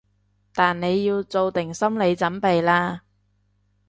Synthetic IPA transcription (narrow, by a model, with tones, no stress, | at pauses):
t̪aː˨nne˨˧jːiː˧wt͡so˨˧wt̪ɪ˨˩ŋsɐ˥mle˨˧jt͡sɐ˨˥npe˨jlaː˧